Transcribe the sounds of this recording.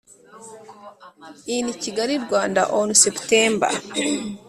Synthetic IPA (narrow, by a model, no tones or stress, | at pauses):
iniciɡaɾiɾɡwaːnda̰ʔonusepteːmba̰